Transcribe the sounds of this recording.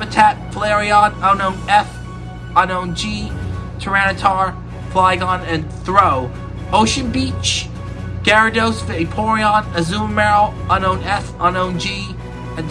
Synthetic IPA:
ɨtʰæt̚flɛɹiɑ̃nʌʊnõʊ̃nɛf | ənõʊ̃nd͡ʒitʰə˞ænɨtʰɑɹ | flaɪɡə̃nɨ̃nθɹoʊ | oʊʃɨ̃nbit͡ʃ | ɡ̥ɛɹɨdoʊsfɪɪpʰɔɹiɑ̃nɨzũmmɛɹl̩ˠʌ̃nõʊ̃nɛfə̃nõʊ̃nd͡ʒi | ɨ̃n

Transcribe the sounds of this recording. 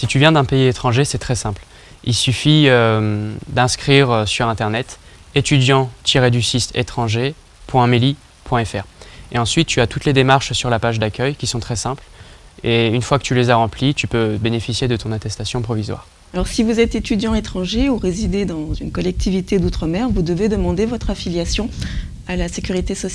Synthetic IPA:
sit̪yvjɛ̃d̪ɛ̃peiet̪χɑ̃ʒesɛt̪χɛsɛ̃pl | ilsyfiømd̪ɛ̃skχiʁøsyʁɛ̃t̪ɛʁnɛt̪ | et̪yd̪jɑ̃t̪ʰiʁed̪ysist̪et̪χɑ̃ʒe | pwɛ̃meli | pwɛ̃ɛfɛʁeɑ̃sɥit̪ːyat̪ut̪led̪emaʁʃsyʁlapaʒd̪akʲœjkʲisɔ̃t̪χɛsɛ̃pleynfwakə̥t̪ylezaʁɑ̃plit̪ypøbenefisjed̪ət̪ɔ̃nat̪ɛst̪asjɔ̃pχɔvizwa̰ːʁ | alɔʁsivuzɛt̪et̪yd̪jɑ̃et̪χɑ̃ʒeuʁezid̪ed̪ɑ̃zynkɔlɛk̚t̪ʰivit̪ed̪ut̪χəmɛʁvud̪əved̪əmɑ̃d̪evɔt̪χafiljasjɔ̃ | alasekʲyʁit̪esɔs

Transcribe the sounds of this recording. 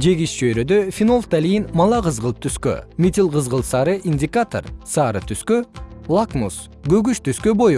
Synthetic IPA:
d͡ʒe̞ɡiʃt͡ʃøjɾød̪øfʲinolˠt̪alʲijinmɑlˠɑqɯzʁəlˠt̪ʰyskø̰mʲit̪ʲilˠqəzʁəlˠsɑɾɯʔinʲdʲɪkat̪o̰rsɑːɾɯt̪ʰyskølˠakmus | ɡø̞ɡyʃt̪yskøboj

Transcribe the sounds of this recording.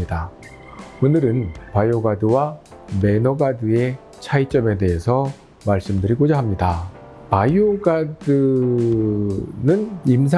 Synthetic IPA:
ida | onɯɾɯnpajoɡadɯwa | me̞nʌɡadɯe̞ | t͡ɕʰait͡ɕ͈ʌme̞de̞ɦesʰʌ | maɭs͈ɯmdɯɾikod͡ʑaɦamɲida | pajoɡadɯ | nɯnims̬ʰ

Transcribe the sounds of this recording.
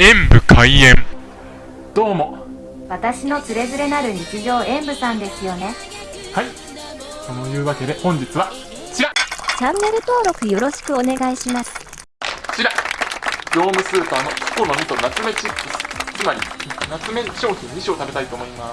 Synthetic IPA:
ẽ̞mbɯ̟kʰaiẽ̞m | d̪̥o̞ːmo̞ | βat̪aɕino̞t͡sɨɾe̞zɨɾe̞naɾɯ̟ɲ̟it͡siʑo̞ːẽ̞mbɯ̟sãnd̪e̞sɨjo̞ne̞ | hai | ko̞no̞jɯ̟ːβake̞d̪e̞hõ̞ɲ̟d͡ʑit͡sɨβa | t͡ɕiɾat͡ɕãnːe̞ɾɯ̟t̪o̞ːɾo̞kɯ̟jo̞ɾo̞ɕi̥kɯ̟o̞ne̞ɡaiɕimasɨ̥ | t͡ɕiɾa | d͡ʑo̞ːmɯ̟sɨːpano̞kɯ̥kono̞mʲit̪o̞nat͡sɨme̞t͡ɕikːɯ̟sɨ̥t͡sɨmaɾʲḭnat͡sɨme̞ɕo̞ːçĩɲ̟ːiɕiot̪abe̞t̪ait̪o̞ːmo̞ima

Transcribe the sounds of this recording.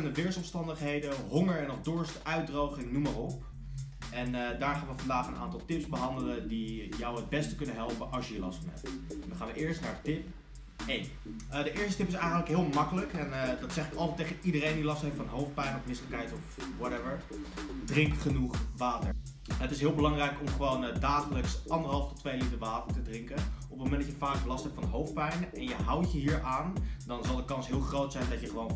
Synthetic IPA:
əndəʋɪɹsɔmstɑndəχɦejdəɦʊŋəɹɛnɔχdʊɹstʔœɥt̚drowχɪŋnumərɔp | ʔɛndaːɹχaːnʋəfɑndaːχənʔa̰ːntɑlˠtɪpzbəɦɑndələdijɑwəd̚bɛstəkɵnəɦɛlˠpənʔɑlˠʃjəjəlɑ̰stfɑnɦɛ̰p̚tʋəχaːnʋəʔɪːɹstnaːɹdətɪp | ejn | ədəʔɪːɹstətɪpɪsɛjχəntləkɦɪːlˠmɑkələkɛndɑtsɛχɪkɑlˠtɛtːejχənidərejndilɑstɦejftfɑnɦowftpɛjnɔfmɪnsləkɦɛjtɔfwɑtɛvəɹ | drɪŋktχənuχʋaːtə | ɦətɪsɦɪːlˠbəlɑŋrɛjkɔmχəʋowndaːχələksʔɑndəɹɦɑlˠftɔtːʋejlitəɹʋaːtə̥ɹtədrɪŋkənʔɔpəmowmɛntdɑcjəfaːklɑstɦɛptfɑnɦowft̚pɛjnəʔɛnjəɦɑwtjəɦiːɹʔaːndɑnzɑlˠdəkɑnsɦɪːlˠχrowtsɛjndɑcjəχəʋown

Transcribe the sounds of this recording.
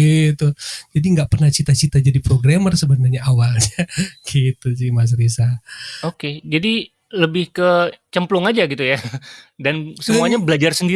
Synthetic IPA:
it̪ud͡ʒadiŋɡaʔpərnaht͡ʃit̪at͡ʃit̪ad͡ʒadipɾoɡɾamərsəbənərɲaawalɲaɡ̥it̪usimas̬ɾisaoked͡ʒadi | ləbɪhkət͡ʃəmplʊŋad͡ʒaɡit̪ujadansəmmuaɲabəlad͡ʒarsəndi

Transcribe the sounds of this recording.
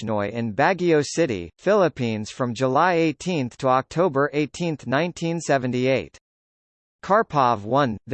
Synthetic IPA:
nɔɪʔɨ̃nbæɡioʊsɪɾḭfɪlˠəpʰĩnz̥fɹʌ̃md͡ʒəlaɪeɪtʰĩnθtʰəɑk̚tʰoʊbə˞ʔeɪtʰĩnθnãɪ̃ntʰĩnsɛvɨ̃n̩tieɪt | kʰɑɹpʰɑvwʌ̃nð

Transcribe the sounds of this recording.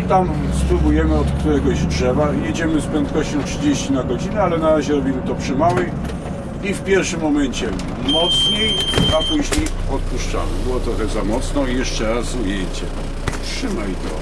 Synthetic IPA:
t̪am | spɾubujɛmɘɔt̪kt̪uɾɛɡɔɕdʂɛbaijed͡ʑɛmɘspɾɛnt̪kɔɕt͡ɕɔ̃w̃tʂɘd͡ʑeɕt͡ɕinaɡɔd͡ʑinɛalɛnaɾaʑɛɾɔbʲimɘt̪ɔpʂɘmawɛj | ifpʲjɛɾfʂɘmːɔmɛɲt͡ɕɛ | mɔt̪sɲejapuʑɲejɔt̪̚puʂt͡ʂa̰mɘ̰bɘwɔt̪ɾɔxɛzamɔt̪snɔijɛʂt͡ʂɛɾasujejt͡ɕɛ̰ | tʂɘmajt̪ɔ̰

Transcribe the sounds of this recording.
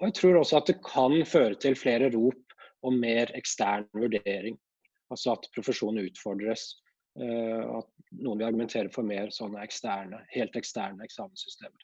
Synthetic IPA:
ɔjæɪt̪ʰɾuːɾɔsːɔɑt̪̚d̪ɛkʰɑnføːɾət̪ʰɪlfleːɾəɾuːpɔmmeːɾɛkst̪æːɳʋʉɖeːɾɪŋ | ɑlsɔɑt̪pʰɾʊfəʂuːnn̩ʉːt̪fɔɖɾəs | ɑ̰t̪nuːənʋɪɑɾɡʉmɛnt̪ʰeːɾəɾfɔɾmeːɾsɔnːəɛkst̪æːɳəheːlt̪ɛkst̪æːɳəɛksɑːmənsʏst̪eːməɾ

